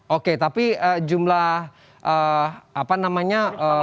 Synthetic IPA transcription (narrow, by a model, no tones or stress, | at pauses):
ʔoket̪apiəd͡ʒumlah | ʔəapanamaɲaə